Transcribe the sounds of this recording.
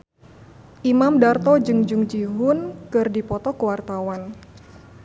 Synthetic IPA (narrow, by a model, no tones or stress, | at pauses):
ʔimamdart̪ɔd͡ʒɨŋd͡ʒuŋd͡ʒiɦʊnkɨrdipɔt̪ɔkəwart̪awan